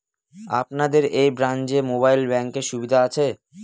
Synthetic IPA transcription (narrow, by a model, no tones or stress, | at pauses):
a̰pnad̪eɾejbɾand͡ʑemoβajlbɛŋkeʃubid̪ʱaat͡ɕʰe